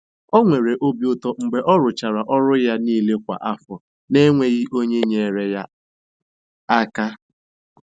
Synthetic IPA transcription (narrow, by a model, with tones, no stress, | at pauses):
ɔ˦ŋʷe˨ɾe˨ʔo˦bi˦ʊ˦tɔ˦ŋ͡m̩˨ɡ͡be˨ʔɔ˦ɾʊ˨t͡ʃa˨ɾa˨ʔɔ˦ɾʊ˦ja˦niː˦le˦kʷa̰˨ʔa˦fɔ˨ | ne˦ŋʷe˦ɣi˦ʔo˦ɲe˦ɲe˨ɾe˨ja˦ | a˦ka˦